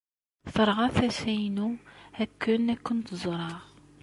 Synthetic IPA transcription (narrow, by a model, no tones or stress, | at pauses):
θəɾˤʁɑθæsæjnuhækʰːənækːʊnt̪zˤɾˤɑʁ